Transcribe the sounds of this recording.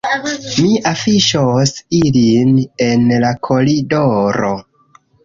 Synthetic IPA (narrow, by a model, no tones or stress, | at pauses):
miʔafiʃosiline̞nlakʰo̞lidoɾo̰